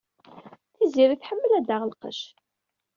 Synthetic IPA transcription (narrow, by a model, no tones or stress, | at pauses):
θiziɾiθħəmːəlæd̪aʁəlqə̰ʃ